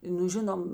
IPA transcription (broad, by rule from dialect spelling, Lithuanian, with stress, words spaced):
ˈnʊ ˈʒʲɪnoːm